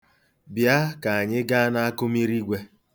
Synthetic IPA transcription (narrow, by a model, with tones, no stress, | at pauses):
bja˦ka˨a˨ɲɪ˦ɡa˦na˦a˦kʊ˦mi˦ɾi˦ɡʷe˦